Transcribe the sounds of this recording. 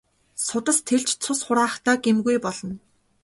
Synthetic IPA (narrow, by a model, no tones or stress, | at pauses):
sʊt̪ə̆st̪ʰeɮt͡ɕt͡sʰʊsχʊɾaːχt̪aːɡemɣujpɔɮɞ̆n